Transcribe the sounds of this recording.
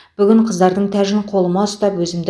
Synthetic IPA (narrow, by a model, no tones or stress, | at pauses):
b̥ʏɡʲɪɴqʰəzd̪ɑɾd̪əɴt̪ʰæʒɪɴqʰo̞lˠəmɑst̪ɑpwɵzɪmd̪